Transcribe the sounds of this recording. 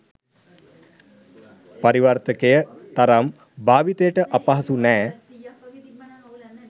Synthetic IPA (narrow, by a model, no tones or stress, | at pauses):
paɾiʋart̪əkejət̪aɾam | baːʋit̪ejəʈəʔapaɦasunɛː